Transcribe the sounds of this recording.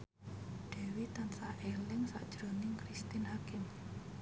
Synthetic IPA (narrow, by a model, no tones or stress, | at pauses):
ɖ̪̥e̤wit̪ansaʔelɪŋsa̰ʔd̥ʒ̥ɾonɪŋkɾist̪ɪnhakɪm